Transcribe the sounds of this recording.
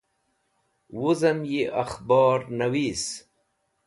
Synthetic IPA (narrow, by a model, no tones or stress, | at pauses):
wuzɐmjiʔaxbɑːɾnawiːs